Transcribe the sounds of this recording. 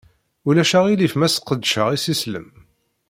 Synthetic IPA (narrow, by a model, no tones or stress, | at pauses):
ulæʃaʁilifmæsə̥qːəd̪ʃəʁisislə̰m